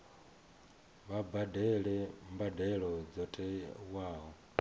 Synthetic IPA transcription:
βabadelembadelod͡zotʼewaːɣo

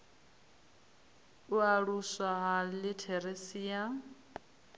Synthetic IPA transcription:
uaɺuswaɦalɪtʰɛɾesiːa

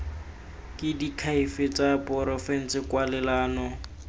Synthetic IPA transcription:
kʼɪdikʰaifɪt͡sʼapʼɔɾɔfɛn̩sɪkwalɛlaːnɔ

